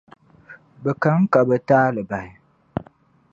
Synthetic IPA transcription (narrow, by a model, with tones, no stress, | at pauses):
bə˨ka˦ŋ̩˦ka˨bə˨taː˦lɨ˨ba˨ɪ˨